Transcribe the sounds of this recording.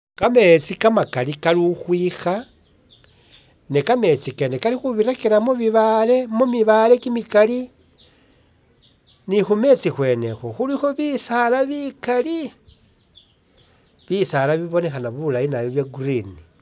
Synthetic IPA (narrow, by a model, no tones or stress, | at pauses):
kame̞t͡sikamakalikaluxwiːxa | nekame̞t͡sikenekalixuβiɾakiɾamuβiβale̞mumiβale̞kimikali | nixume̞t͡sixwe̞ːne̞̰xoxulixo̞βisalaβikali | βisalaβiβo̞ne̞xanaβulajinaβjoβjaɡurini